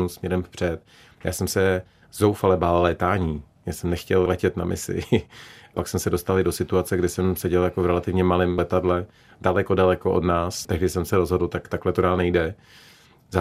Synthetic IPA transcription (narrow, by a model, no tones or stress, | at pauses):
usmɲɛɾɛmfpr̥ɛt̪ | ja̰ːsɛmsɛ | zowfalɛbaːllɛːt̪aːɲiː | jasɛmnɛxcɛllɛcɛt̪na̰mʔɪ̰sɪ̰ | paksmɛsɛdo̞st̪alɪdo̞sɪt̪uat͡sɛɡdɪsɛmsɛɟɛljakovɾɛlat̪ɪvɲɛmalɪmlɛt̪adlɛ | dalɛko̞dalɛkoʔodnaːst̪ɛɦdɪsɛmsɛɾozɦo̞dl̩t̪akt̪aklɛt̪odaːlnɛjdɛ | za